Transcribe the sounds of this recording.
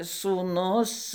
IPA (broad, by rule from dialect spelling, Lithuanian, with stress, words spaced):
suːˈnʊs